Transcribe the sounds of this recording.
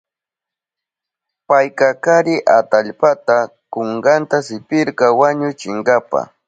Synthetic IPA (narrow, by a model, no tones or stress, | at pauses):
pajkakaɾɪʔat̪aʎpat̪akoŋɡant̪asɪpɪɾkawaɲʊt͡ʃɪŋɡapa̰